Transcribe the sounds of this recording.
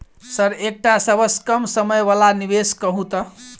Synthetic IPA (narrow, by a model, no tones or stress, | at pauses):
səɾek̚ʈasəbəskəmsəməjbalaniβeskəɦũt̪ə